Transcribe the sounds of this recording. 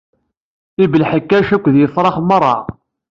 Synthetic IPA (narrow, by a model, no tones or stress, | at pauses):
ibəlħəkːæʃækʷːðjəfɾˤɑχmərˤːɑ̰ʁ